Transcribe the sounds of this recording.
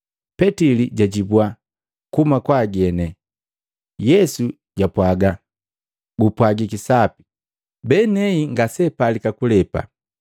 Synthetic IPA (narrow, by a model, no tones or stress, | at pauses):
pɛtiliɟaɟibuwa | kumakwaɡɛnɛ | jɛsu | ɟapwaɡa | ɡupwaɡikisapi̥ | bɛnɛiŋɡasɛpalikakulɛpa̰